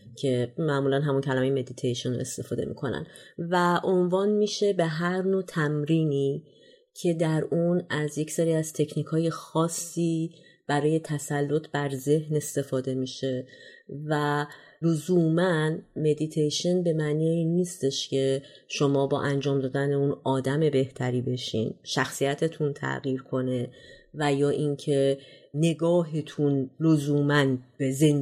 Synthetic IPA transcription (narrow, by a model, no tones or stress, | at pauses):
cʰe̞mæʔmuːlænɦæmuncʰælæmejeme̞d̪it̪ʰejʃone̞̰st̪e̞fɒːd̪e̞̰mḭkʰo̞næ̰nvæʔonvɒːnmiʃe̞be̞ɦæɾnot̪ʰæmɾiːniː | cʰe̞d̪æɾʔunæzje̞cseɾiːæz̥t̪ʰe̞cʰniːkʰɒːje̞xɒːsːiː | b̥æɾɒːje̞t̪ʰæsælːo̞t̪ʰbæɾze̞hne̞st̪e̞fɒːd̪e̞miʃe̞vælozuːmænme̞d̪it̪ʰejʃenbe̞mænijinːiːst̪e̞ʃcʰe̞ | ʃo̞mɒːbɒ̰ːʔænd͡ʒɒːmd̪ɒːd̪æne̞unɒːd̪æme̞be̞ht̪ʰæɾiːbe̞ʃḭːnʃæxsijæt̪ʰe̞t̪ʰunt̪ʰæ̰ɣiːɾkʰo̞ne̞væjɒːʔiŋcʰe̞ne̞ɡɒːɦet̪ʰunlozuːmænb̥ezen